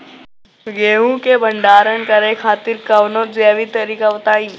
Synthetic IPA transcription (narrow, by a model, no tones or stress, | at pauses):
ɡeːɦũkebɐɳɖaːɾənkɐɾekʰaːt̪ɪɾkɐʋnõzjaːʋit̪ɐɾiːkaʋɐt̪aːĩː